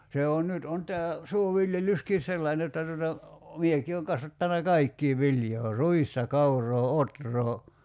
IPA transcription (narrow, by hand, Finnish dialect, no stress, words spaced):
se on nyt on tæː suoʋiljelyskin̞ selːɑin jotːɑ tuotɑ mieki oːŋ kɑsʋɑtːɑnɑ kɑikːiː ʋiljoː ruistɑ kɑuroː otroː